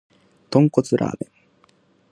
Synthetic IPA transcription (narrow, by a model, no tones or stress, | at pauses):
t̪õŋkot͡sɨɾʔa̰ːd̪e